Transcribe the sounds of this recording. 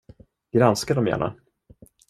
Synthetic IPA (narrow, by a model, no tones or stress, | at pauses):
ɡ̥ɾanskad̪ɔmjæ̰ːɳa̰